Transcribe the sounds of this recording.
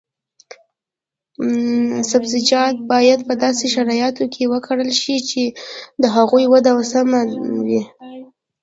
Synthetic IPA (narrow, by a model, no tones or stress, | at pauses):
sabzɪd͡ʒɑd̪̚bɑjad̪pəd̪ɑseʃaɾɑjɑt̪okʰewəkʰaɽəlʃit͡ʃed̪əɦaɣujwad̪awasamawi